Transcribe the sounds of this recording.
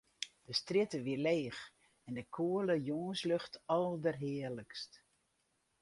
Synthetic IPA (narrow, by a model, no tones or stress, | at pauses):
d̥əstrɪtəʋileːx | ɛndəkʰuələjoːnsløxtʰɑlˠdərɦɪərləkst